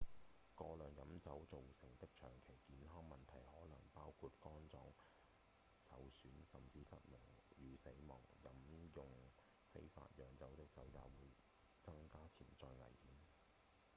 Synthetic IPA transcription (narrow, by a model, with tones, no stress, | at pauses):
kɔː˧lœː˨ŋjɐ˨˥mt͡sɐ˨˥wt͡so˨wsɪ˨˩ŋt̪ɪ˥k̚t͡ʃʰœː˨˩ŋkʰe˨˩jkiː˨˧nɦɔː˥ŋmɐ˨˩nt̪ʰɐ˨˩jhɔː˨˥lɐ˨˩ŋpaː˥wkʰu˧t̚kɔː˥nt͡sɔː˧ŋ | sɐ˨wsyː˨˥nsɐ˨mt͡siː˧sɐ˥t̚mɪ˨˩ŋjyː˨se˨˥jmɔ̰ː˨˩ŋjɐ˨˥mjʊ˨˧ŋ | fḛ˥jfa̰ː˧t̚jœː˨ŋt͡sɐ˨˥wt̪ɪ˥k̚t͡sɐ˨˥wjaː˨˩wuː˨˥j | t͡sɐ˥ŋkaː˥t͡sʰiː˨˩nt͡sɔː˧jŋɐ̰˨˩jhiː˨˥m